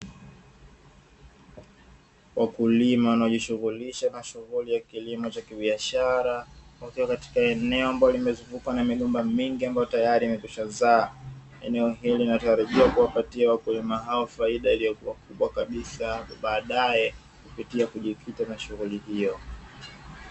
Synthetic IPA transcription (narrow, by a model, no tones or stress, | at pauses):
wʔakulimawanaɔʄiʃuɣuliʃanaʃuɣulijakilimɔt͡ʃakiɓiaʃaɾawakiwakati̥kaɛnɛɔambajɔlimɛzuvukwanamiɠɔmbamiŋɡiambajɔtajaɾiːmɛkuʃanzaː | ɛnɛɔɦiliinataɾaʄiwakuwapatiawakulimaɦaɔfaiɗailijɔkuwakuɓwakaɓisaɓaːɗajɛ | kupitiakuʄikʰitamaʃuɣulihijɔ